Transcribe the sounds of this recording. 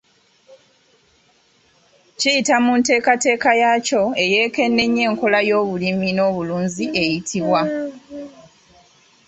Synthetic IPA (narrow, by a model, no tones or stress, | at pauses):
cijitamunte̞ːkate̞ːkajaco̞e̞je̞ːke̞nːe̞ɲːe̞ːŋko̞lajo̞ːβulimino̞ːβuluːɲziʔe̞jitʰiβwa